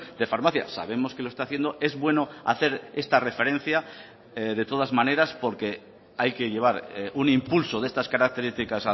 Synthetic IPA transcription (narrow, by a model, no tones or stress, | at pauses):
d̪e̞faɾmaθja̰sa̰β̞e̞mo̞ske̞loe̞st̪aːθje̞nd̪o̞ʔe̞zβwe̞no̞a̰θe̞ɾe̞st̪are̞fe̞ɾẽ̞n̟θja | ðe̞t̪o̞ð̞azmãne̞ɾaspo̞ɾke̞ | ajke̞ʎe̞β̞aɾunimpulso̞ð̞e̞st̪askaɾak̚t̪e̞ɾist̪ikasa